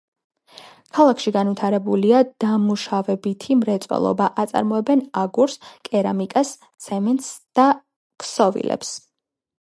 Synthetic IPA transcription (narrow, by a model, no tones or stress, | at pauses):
kʰalˠakʰʃiɡanvit̪ʰaɾɛbuliad̪̥amuʃavɛbit̪ʰimɾɛt̪sʼwɛ̰lˠɔ̰baʔat̪sʼa̰ɾmɔɛbɛnaɡuɾskʼɛɾa̰mikʼas | t̪sʰɛmɛnt̪sd̪̥a | ksɔvḭlɛ̰ps